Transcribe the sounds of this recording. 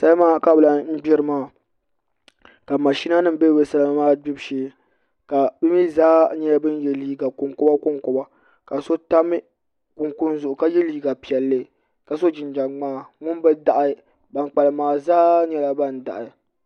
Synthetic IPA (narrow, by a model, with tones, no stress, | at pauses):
sa˦lmaː˦˨ka˦˨bɨ˨la˦m̩˦ɡ͡bɛ˦ɾɨ˦maː˦˨ | ka˨ma˨ʃi˦na˦nɨ˦m˦bɛ˦bɛ˨sa˦la˦maː˦bi˦bʃeː˦ | ka˨bi˦mi˦zaː˦ɲɛ˦bɨ˦n˦jɛ˦liː˦ɡa˨kʊ˨ŋkʊ˦ba˦kʊ˦ŋko˨ba˦ | ka˨so˦ta˦mɨ˦ | kʊ˨ŋkʊ˦n˦zʊ˨ʔʊ˨ka˦jɛ˦liː˦ɡa˨pi˨ɛ˨lːɨ˦˨ | ka˨so˦d͡ʒɪ˨nd͡ʒa˨ŋ͡maː˦˨ŋʊ˦n˦bɛ˦da˨ʔa˨˦ | ba˨nk͡pa˨lɨ˨maː˨zaː˦ɲɛ˦la˦ba˦n̩˨da̰˨ʔa˨